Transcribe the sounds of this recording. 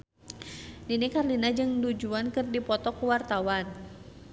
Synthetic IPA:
dinikarlinad͡ʒɨŋdud͡ʒuankɨrdipɔt̪ɔkuwart̪awan

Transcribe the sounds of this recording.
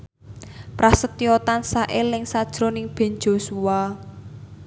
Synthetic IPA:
pɾasət̪ijɔt̪ansaʔelɪŋsad̥ʒ̥ɾonɪŋb̥e̤n̥d͡ʒ̥o̤sua

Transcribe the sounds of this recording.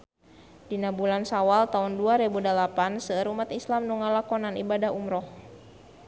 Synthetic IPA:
dinabulansawalt̪aunduaɾɛbudalapansəɾumat̪islamnuŋalakɔnanibadaɦumɾɔh

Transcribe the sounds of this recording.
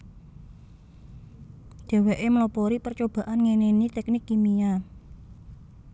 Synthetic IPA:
d̥ɛ̤weʔeməlɔpɔɾipərt͡ʃob̥ä̤ʔanŋenenit̪ɛknɪkːimija

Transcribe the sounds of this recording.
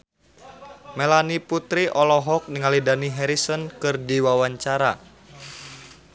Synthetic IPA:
melaniput̪ɾiʔɔlɔɦɔk̚niŋalidaniɦɛɾisənkɨrdiwawaɲt͡ʃaɾa

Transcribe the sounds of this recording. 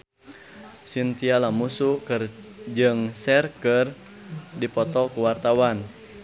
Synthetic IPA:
sint̪ialamusukɨrd͡ʒɨŋsɛrkɨr | dipɔt̪ɔkuwart̪awan

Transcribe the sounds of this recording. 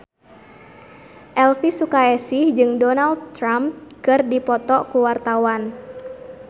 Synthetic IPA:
ʔɛlfisukaɛsɪhd͡ʒɨŋdɔnaldt̪ːɾamkɨrdipɔt̪ɔkuwart̪awan

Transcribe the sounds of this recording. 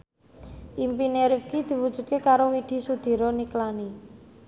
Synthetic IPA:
ʔimpineɾifkid̪̥i̤wud̥ʒ̥ṳt̪̚kekaɾowiɖ̪̥i̤sud̪̥i̤ɾɔniklani

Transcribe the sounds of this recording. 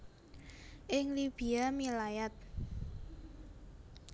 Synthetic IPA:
ʔɪŋlib̥i̤amilajat̪̚

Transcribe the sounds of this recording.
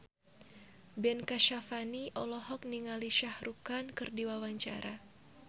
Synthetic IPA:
bɛnkaʃafaniʔɔlɔɦɔk̚niŋaliʃahɾukankɨrdiwawaɲt͡ʃa̰ɾa

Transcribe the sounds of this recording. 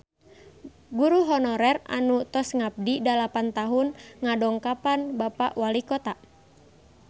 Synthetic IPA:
ɡuɾuɦɔnɔɾɛra̰nut̪ɔsŋap̚didalapant̪aɦunŋadɔŋkapanbapa̰ʔwalikɔt̪a

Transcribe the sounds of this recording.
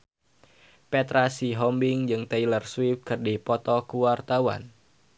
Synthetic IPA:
pɛt̪ɾasiɦɔmbɪŋd͡ʒɨŋt̪eilərswifkɨrdipɔt̪ɔkuwart̪awa̰n

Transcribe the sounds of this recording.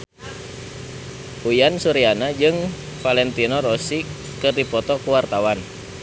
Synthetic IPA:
ujansuɾianad͡ʒɨŋ | falɛnt̪inɔɾɔsi | kɨrdipɔt̪ɔkuwart̪awan

